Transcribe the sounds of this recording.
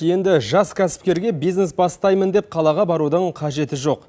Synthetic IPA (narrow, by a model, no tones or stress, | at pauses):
je̞nd̪ɪʒɑskʲʰæsɪ̥p̚kʲe̞ɾɡʲe̞bijzne̞sbɑst̪ɑjmənd̪e̞p̚qʰɑlˠɑʁɑbɑɾud̪əɴqʰɑʒe̞t̪ɪʒo̞q